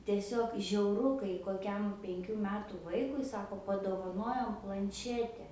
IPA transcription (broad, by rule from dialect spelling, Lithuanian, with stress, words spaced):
tʲiɛˈsʲoːk ʒʲɛʊˈrʊ kɐɪ koːˈkʲɛm pʲɛŋʲˈkʲuː ˈmʲæːtuː ˈʋɐɪkʊɪ ˈsɑːkoː pɐdoːʋɐˈnoːjoːm plˠɐnʲˈʃʲæːtʲɛ